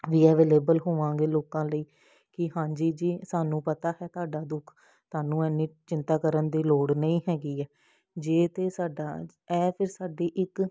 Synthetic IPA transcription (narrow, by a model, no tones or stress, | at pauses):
ʋiːɛːʋeːleːbəlɦoːʋãːŋɡeːloːkãːləiː | kɪɦãːd͡ʒiːd͡ʒiːsaːnũːpət̪aːɦɛːt̪aːɖaːd̪ʊkʰ | t̪aːnũːɛːnːĩːt͡ʃɪ̃nt̪aːkəɾənd̪iːloːɽnəĩːɦɛːɡiːɛː | d͡ʒeːt̪eːsaːɖaː | ɛːpʰɪɾsaːɖiːʔɪk